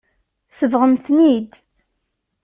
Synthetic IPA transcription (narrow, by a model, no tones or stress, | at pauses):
səvʁəmθnid̪